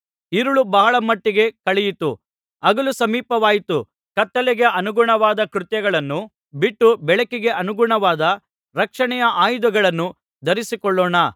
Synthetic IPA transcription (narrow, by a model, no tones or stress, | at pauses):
iɾuɭubɐɦɐɭɐmɐʈːiɡe̞kɐɭɛjit̪u | ɐɡɐlusɐmiːpɐʋaːjit̪u | kɐt̪ːɐlɛɡe̞ʔɐnuɡuɳɐʋaːd̪ɐkɾut̪jɐɡɐɭɐnːu | biʈːubɛɭɐkiɡe̞ʔɐnuɡuɳɐʋaːd̪ɐ | ɾɐkʂɐɳɛjɐʔaːjd̪uɡɐɭɐnːu | d̪ɐɾisikɔɭːɔːɳɐ